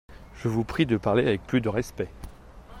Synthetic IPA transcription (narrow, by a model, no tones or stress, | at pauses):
ʒ̥əvupχid̪əpaʁleavɛk̚plyd̪əʁɛspɛ